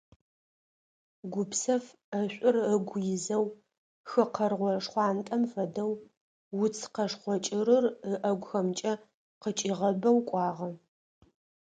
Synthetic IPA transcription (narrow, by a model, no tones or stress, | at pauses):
ɡʷʊpsɐf | ɐɕʷʼʊrəɡʷʊjɪzɐw | xɨqɐrʁʷɔʂχʷɑːntʼɐmfɐdɐwː | ʊt͡sʰqɐʂχʷɔt͡ʃʼɪɾɨrəʔɐɡʷxɐmt͡ʃʼɐ | qət͡ʃʼiʁɐbɐwkʷʼɑːʁɐ